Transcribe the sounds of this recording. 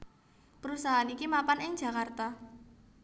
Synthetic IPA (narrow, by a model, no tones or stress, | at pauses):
pəɾusaɦanikimapanɪŋ̥d͡ʒ̥ä̤kart̪a